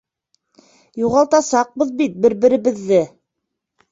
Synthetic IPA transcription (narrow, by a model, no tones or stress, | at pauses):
juʁɑlˠt̪ɑsɑq̚bɤðbit̪̚bɘɾbɘ̆ɾɘ̆βɘ̆ðːɘ